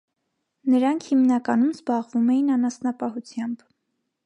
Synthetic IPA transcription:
nəɾɑŋkʰhimnɑkɑnumzbɑʁvumɛjinɑnɑsnɑpɑɦut͡sʰjɑmb̥

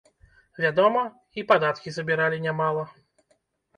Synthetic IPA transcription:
vʲad̪ɔmɐ | ipad̪at̪kʲizɐbʲiɾalʲinʲamalˠɐ

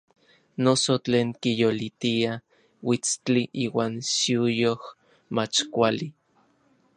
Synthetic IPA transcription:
nosot͡ɬeːŋkijolit̪ia | wit͡st͡ɬiʔiːwaːnʃiujoh | mat͡ʃkʷali

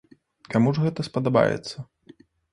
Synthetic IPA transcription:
kamuʐɣɛt̪ɐspɐd̪aba̰jɛ̰t̪sːɐ

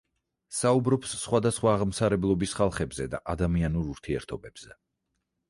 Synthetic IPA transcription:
saubɾɔpsːχwad̪asχwaːʁmsaɾɛblˠɔbisχalˠχɛbzɛd̪a̰ʔad̪amianuɾuɾt̪ʰiɛ̰ɾt̪ʰɔbɛb̥z̥ɛ

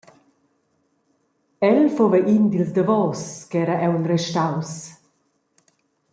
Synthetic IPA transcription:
ɛlfovɛʔind̪ilsd̪avɔːskɛːɾaʔɛwnrɛʃtaws

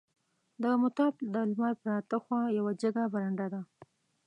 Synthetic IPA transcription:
d̪əmʊt̪ɑbd̪əlmɑɾpəɾɑt̪əxwɑjawad͡ʒəɡabaɾaɳɖad̪a

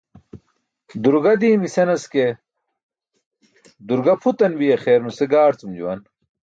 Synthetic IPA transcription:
d̪uɾɡɐd̪iːmisɐnɐske | d̪uɾɡɐpʰut̪ɐnbijɐxeːɾnuseɡaːɾt͡sumd͡ʑṵwɐn

